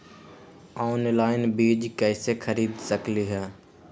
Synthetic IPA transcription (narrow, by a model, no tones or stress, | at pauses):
aːnlaːɪnbiːd͡ʒkɛːsekʰəɾiːd̪səkliːɦɛː